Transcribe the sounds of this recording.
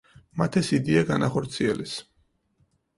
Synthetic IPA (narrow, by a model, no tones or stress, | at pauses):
mat̪ʰɛsid̪iaɡanaχɔɾt̪sʰiɛlɛs